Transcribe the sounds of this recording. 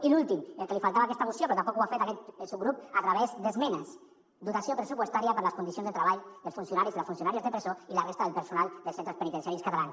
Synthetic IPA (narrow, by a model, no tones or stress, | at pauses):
ilulˠt̪imelkəlifalt̪aβakɛst̪amusjopɾɔt̪ampɔkwafet̪akɛt̪suɡɾupat̪ɾaβezd̪əzmɛnəs | d̪ut̪asjopɾəsupwəst̪aɾiapəɾləskunisjonzðət̪ɾəβaʎðəlˠsfunsjunaɾizðeləsfunsjunaɾiəzðəpɾezoilarest̪aðəlpəɾsunalˠd̪əlsent̪ɾəspənit̪ensjaɾiskat̪alans